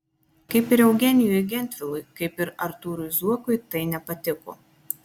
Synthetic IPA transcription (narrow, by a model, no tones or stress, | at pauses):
kɐɪpɪɾɛʊɡʲɛnʲɪjuɪɡʲɛnʲt̪ʲʋʲɪlˠʊɪkɐɪpɪɾɐɾt̪uːɾʊɪzuɔkʊɪt̪ɐɪnʲɛpɐt̪ʲɪko̰ː